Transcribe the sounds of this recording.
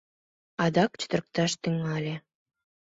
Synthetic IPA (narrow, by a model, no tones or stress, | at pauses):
ɑd̪ɑkt͡ɕə̥t̪ə̆rk̚t̪ɑʃt̪yŋɑlʲĕ